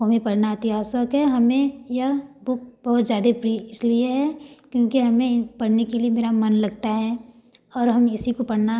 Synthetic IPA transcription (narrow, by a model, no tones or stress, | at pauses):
omẽpɐɽnaɪt̪ɪɦaːsəkɦɛɦɐmẽjɐbʊk̚bɐɦʊt̪zjaːd̪epɾiɪslieɦɛkjõːkiɦɐmẽpɐɽnekeliemeːɾamɐnlɐɡt̪aɦɛ | ɔːɾɦɐmɪsikopɐɽna